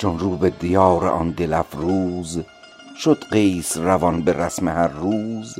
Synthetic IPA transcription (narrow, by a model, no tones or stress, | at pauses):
t͡ʃʰonruːbed̪ijɒːɾḛʔɒ̰nd̪elæfɾuːz | ʃod̪̥ɢeːsrævɒnbeɾæsmehæɾːuːz